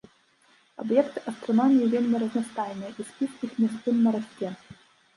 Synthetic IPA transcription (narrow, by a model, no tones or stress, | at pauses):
ɐ̰bjɛkt̪ɨʔɐst̪ɾɔnomʲijivʲelʲmʲɐrɐznɐst̪ajnɨjɛʔispʲit̪ʲixmʲɛs̬t̪ɨmːɐɾɐsʲtʲːɛ